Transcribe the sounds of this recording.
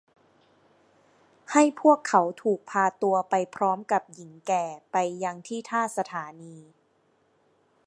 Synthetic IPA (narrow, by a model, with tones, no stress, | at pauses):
ha˥˩jpʰu˥˩əkʰːa˩˦wt̪ʰuː˨˩k̚pʰaː˧t̪u˧ɐpa˧jpʰɾɔː˦˥mka˨˩p̚ji˩˦ŋkɛː˨˩pa˧jːa˧ŋt̪ʰiː˥˩t̪ʰaː˥˩sa˧t̪ʰaː˩˦niː˧